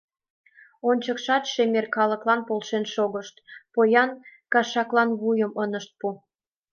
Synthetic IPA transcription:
onʲt͡ɕəkʃɑt̪ʃemerkɑlə̆klɑnpolʃenʃoɣəʃt̪pojɑnkɑʃɑklɑnβujəmənəʃt̪̚pu

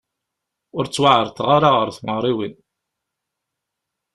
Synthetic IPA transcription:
ʊɾt͡sːwaʕəɾˤt̪ʁaɾaʁəɾθməʁɾˤiwin

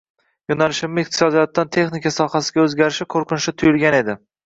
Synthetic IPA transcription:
jonalɪʃɪmɪɪq̚t̪ʰɪ̥sɒd̪ijɒt̪ʰːant̪ʰe̞χnɪkʲasɒhasɪɡʲaɵzɡʲaɾɪʃɪkʰoɾqɨnɪʃɪt̪ʰʊjʊlˠɡʲane̞d̪ɪ

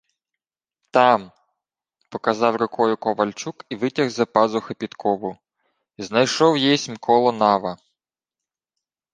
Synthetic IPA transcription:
t̪ɑm | pɔkɐzɑwɾɪkʰɔjʊkɔʋɐlʲt͡ʃukiʋɪtʲɐɣzɐpɑzʊxɐpʲit̪kʰɔʋʊ | iznɐjʃɔwjɛjsʲmkʰɔlˠɔnɑʋɐ

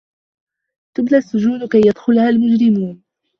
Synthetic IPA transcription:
t̪ʊblaʔsːʊd͡ʒuːd̪kajːad̪xʊlhalmʊd͡ʒɾɪmuːn

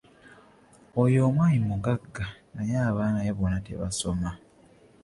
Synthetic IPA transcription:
ojo̞ːmwaːɲimuɡaɡːanajaːβaːnajeβonate̞̰βa̰so̞ma

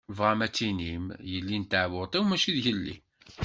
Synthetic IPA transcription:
vʁamæt͡sːinimjəlːint̪aʕwʊt̪ˤiwmæʃiðʝəlːḭ

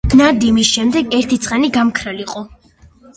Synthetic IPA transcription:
nad̪imisʃɛmd̪ɛɡɛɾt̪ʰit̪sʼqʼaniɡamkʰɾaliqʼɔ

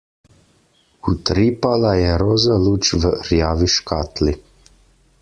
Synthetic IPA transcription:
ut̪ɾiːpalajɛɾoːzaluːt͡ʃʋəɾjaːʋiʃkaːt̪li

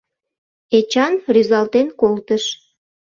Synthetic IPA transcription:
et͡ɕɑnryzɑlt̪enkolt̪əʃ

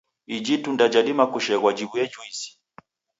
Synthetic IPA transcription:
id͡ʒitundad͡ʒaɗimakuʃɛɣwad͡ʒiβujɛd͡ʒuisi̥

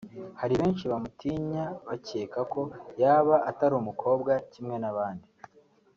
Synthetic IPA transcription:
haɾiβe̞ːnʃiβamutʰiɲaβace̞ːkako̞jaːβaʔataɾuːmukʰo̞ːbɡacimŋe̞naβaːndi

